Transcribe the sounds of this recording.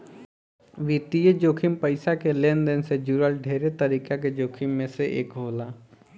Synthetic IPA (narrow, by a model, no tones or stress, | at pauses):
ʋiːt̪ijed͡ʒoːkʰimpəɪsakeleːnd̪ensed͡ʒuɾəlɖʱeːɾet̪əɾiːkaked͡ʒoːkʰɪmːẽseʔḛːkɦoːlaː